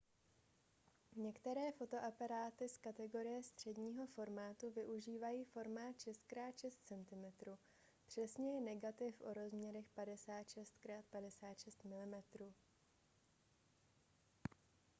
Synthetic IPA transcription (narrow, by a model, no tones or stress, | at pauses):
ɲɛkt̪ɛɾɛːfo̞t̪o̞ʔapaɾaːt̪ɪskat̪ɛɡo̞ɾɪjɛst̪r̝̥ɛdɲiːɦo̞fo̞ɾmaːt̪uvɪʔuʒiːvajiːfo̞ɾmaːt̪ʃɛst̪̚kɾaːt̪ʃɛst̪̚t͡sɛnt̪ɪmɛt̪ɾuː | pr̝̥ɛsɲɛjɛnɛɡat̪ɪfʔo̞ɾo̞zmɲɛɾɛxpadɛsaːt̪ʃɛst̪kɾaːt̪̚padɛsaːt̪ʃɛst̪mɪlɪmɛt̪ɾuː